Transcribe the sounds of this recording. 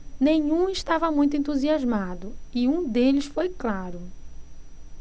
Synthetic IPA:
nẽɲũɪʃt̪avɐmũj̃t̪ʊẽnt̪uziazmad̪ʊiũd̪elɪsfojklaɾʊ

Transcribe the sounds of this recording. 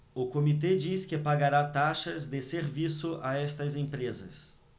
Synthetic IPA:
ʊkomit̪̬ed͡ʒiskɪpaɡaɾat̪aʃɐzd̪ɪseɾvisʊʔaɛst̪ɐzẽpɾezɐ̰s

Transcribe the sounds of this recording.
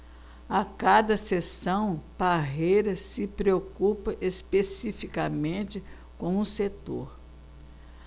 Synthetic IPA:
akad̪ɐsesɐ̃w̃paɦejɾɐsɪpɾeokupɐʔespesifikamẽnt͡ʃɪ | kõw̃ũset̪o̰ɾ

